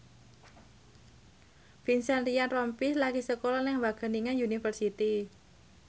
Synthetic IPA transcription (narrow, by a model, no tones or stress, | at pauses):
finsanrijanrɔmpislaɡisəkolɔnɪŋwaɡ̥a̤niŋajunifərsit̪i